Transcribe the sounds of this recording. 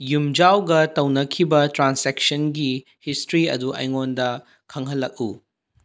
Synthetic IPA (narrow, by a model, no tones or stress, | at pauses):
jumd͡ʒawɡɐtɐwnɐkʰibɐtɾansek̚sɐnɡi | histɾiɐ̰duʔɐ̰jŋondɐ | kʰɐŋɦɐlːɐk̚ṵ